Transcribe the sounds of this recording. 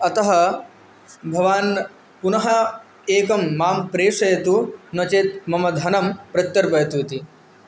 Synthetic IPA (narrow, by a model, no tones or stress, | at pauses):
ɐt̪ɐɦɐ | bʱɐʋaːn | punɐɦɐ | eːkɐmːaːmpɾeːʂɐjɐt̪unɐt͡ʃeːt̪mɐmɐd̪ʱɐnɐmpɾɐt̪jɐɾbɐjɐt̪uːt̪i